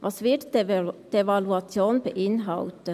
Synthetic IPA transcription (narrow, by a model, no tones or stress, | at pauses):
vɑsʋɪtd̥evɑluɑt͡sjoːnbəʔɪnɦɑltə